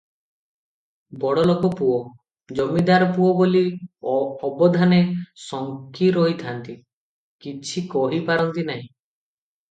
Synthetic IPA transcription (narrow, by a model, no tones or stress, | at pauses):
bɔɽɔlokɔpuɔ | d͡ʒɔmːid̪aɾɔpuɔboli | ɔbɔd̪ʱanesɔŋkiɾɔɦit̪ʰant̪i | kit͡ʃʰikɔɦipaɾɔnt̪inaɦĩ